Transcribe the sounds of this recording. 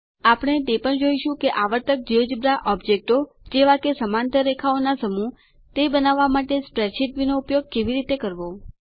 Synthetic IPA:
apəɽ̃et̪epəɳd͡ʒoiʃũkeʔaʋəɾt̪ək̚d͡ʒiod͡ʒbɾaʔɔbd͡ʒek̚ʈo | d͡ʒeʋakesəmant̪əɾekʰaonasəmu | t̪ebənaʋːamaʈespɾɛt͡ʃʰiʈ̪ʋinoupjoɡ̚keʋiɾit̪ekəɾʋo

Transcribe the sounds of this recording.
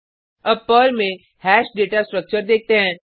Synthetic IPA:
ɐbpəlmẽ | hɛːʃɖeːʈasʈɾək̚t͡ʃəɾd̪eːk̚ʰt̪eɦɛ̃ː

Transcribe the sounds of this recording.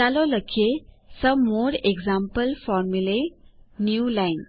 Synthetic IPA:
alɔləkʰːesəmoɾeɡzãmpəlfɔɾmulenjulajn

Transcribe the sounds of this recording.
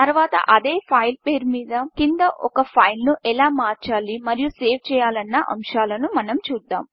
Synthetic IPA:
t̪ɐɾʋaːt̪ɐ̰ʔɐd̪eːpʰɐjlpeːɾmiːd̪ɐkind̪ɐʔɔ̰kɐpʰɐjlnuʔɛlaːmaːɾt͡ʃaːlimɐɾijuseːʋt͡ʃɛːjaːlɐnːɐʔɐ̰mʃaːlɐnumɐnɐmt͡ʃuːd̪ːaːm

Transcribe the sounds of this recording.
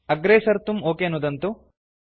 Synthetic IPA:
ɐɡɾeːsɐɾt̪umoːkenud̪ɐnt̪u

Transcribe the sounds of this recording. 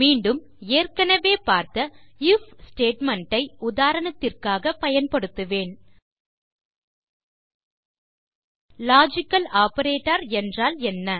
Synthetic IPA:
miːɳɖɯm | eːrkɐnɐʋeːpaːɾt̪ɐɪfsʈeːʈmɐɳʈɐɪʊðaːɾɐnɐt̪ːɪrkaːɣɐpɐjɐnpɐɽɯt̪ːɯʋeːn | laːd͡ʒɪkːɐlaːpɐɾeːʈːɐɾɛndraːlɛnːɐ

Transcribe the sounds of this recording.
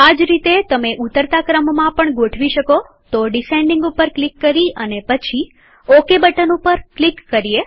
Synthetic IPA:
ad͡ʒɾit̪et̪əmeʔut̪əɾt̪akɾəmmãpəɳɡoʈʰʋiʃəko | t̪oɖisẽɳɖiŋɡupəɾklikːəɾiʔənepət͡ʃʰi | okebəʈənupəɾklikːəɾie

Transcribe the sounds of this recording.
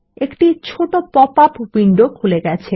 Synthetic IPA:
ekʈit͡ɕʰoʈopɔpapbiɳɖokʰuleɡɛt͡ɕʰe

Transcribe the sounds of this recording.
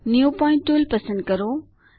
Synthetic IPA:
njupɔ̃ːɪ̃ɳʈːuːlpɐsə̃nd̪̚kɐɾo

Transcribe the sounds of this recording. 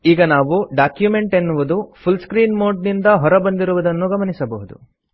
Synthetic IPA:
iːɡɐnaːʋuɖaːkjume̞ɳʈe̞nːuʋud̪upʰulskɾiːnmoːɖnind̪ɐɦɔɾɐbɐnd̪iɾuʋud̪ɐnːuɡɐmɐnisɐbɐɦud̪ṵ

